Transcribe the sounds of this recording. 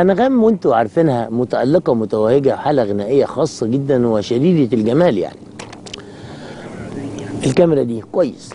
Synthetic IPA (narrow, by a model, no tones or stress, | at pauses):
ʔænæɣæːmwent̪uʕɑɾˤfenhæmʊt̪æʔæ̰lːeqɑmʊt̪æwæheɡæħaːlæɣɪnæːʔejːæxɑːsˤːɑɡed̪ːænweʃæɾiːɾelɡæmæːlja̰ʕni | ʔelkæmeɾˤæd̪iːkwæjːes